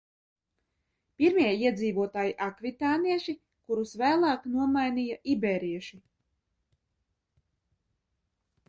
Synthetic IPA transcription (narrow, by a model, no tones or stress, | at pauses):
piɾmiɛiɛd̪ziːvuɔt̪aːjiʔakvit̪aːniɛʃi | kuɾusvæːlˠɑːknuɔmajniːjaʔibeːɾiɛʃi